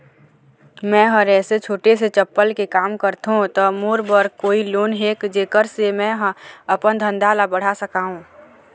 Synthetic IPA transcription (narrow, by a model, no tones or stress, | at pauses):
mɛ̃ːɦəɾɛːset͡ʃʰoːʈeset͡ʃəpːəlkekaːmkəɾt̪ɦũt̪ɔmoːɾbəɾkoːiloːnɦeːkd͡ʒeːkəɾsemɛ̃ɦɐpənd̪ʱə̃nd̪ʱaːlabəɽ̤asəkaːɦũː